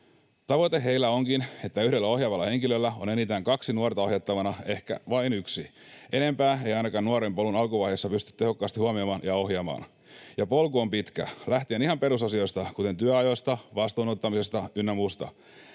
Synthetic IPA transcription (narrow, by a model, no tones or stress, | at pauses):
t̪ɑʋot̪eɦeilːæo̞ŋkine̞t̪ːæyhdelːæo̞hjɑʋɑlːɑhe̞ŋkilølːæo̞ne̞nit̪æːŋkɑksinuort̪ɑoɦjɑt̪ːɑʋɑnɑe̞hkæ̰ʋɑinyksi | e̞ne̞mpæːejɑjnɑkɑːnnuɑɾempolunɑlkuʋɑjhesːɑpyst̪y̥t̪t̪ehokːɑːst̪ihuɑmiɑmɑːnjɑo̞hjɑmɑ̰ːn | jɑpolkoːmpit̪kæ̰læht̪ienihɑmpe̞ɾusɑsio̞jst̪ɑkut̪e̞nt̪yæɑjost̪ɑʋɑst̪uːnot̪ːɑmisest̪ɑynːæmuːst̪ɑ̰